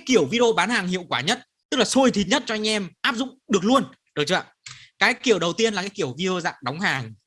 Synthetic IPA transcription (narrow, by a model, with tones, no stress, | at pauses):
kaː˨˦jki˧˩əwvi˧ɗe˧o˧ɓaː˨˦nhaː˨˩ŋhḭ˧˨əwkwaː˧˩ɲə˦˥t̚ | t̪ɨ˦˥k̚laː˨˩so˧jt̪ʰi˨˩t̚ɲə˦˥t̚t͡ɕɔ˧ʔa˧ŋ̟ʔɛ˧mʔaː˦˥p̚zʊ̰˧˨ŋ͡mɗɨ˨˩ək̚lu˧ən | ɗəː˨˩t͡ɕə̰ː˧˨ | kaː˨˦jki˧˩əwɗə˨˩wt̪i˧ənlaː˨˩kaː˨˦jki˧˩əwvi˧ɾe˧o˧za̰ː˧˨ŋɗa˨˦wŋ͡mhaː˨˩ŋ